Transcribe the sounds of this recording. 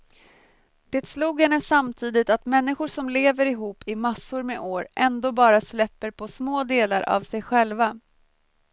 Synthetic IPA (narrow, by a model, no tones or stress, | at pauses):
d̪̥eːt̪sluːɡhɛnːəsamt̪ʰiːd̪ɪt̪at̪mɛnːɪɧʊʂɔmleːvəɾɪɦuːpːʰɪmasʊɾmɛʔoːɾʔɛnd̪oːbɑːɾaslɛpːəɾpʰɔsmoːd̪eːla̰ɾʔa̰vsɛjɧɛlva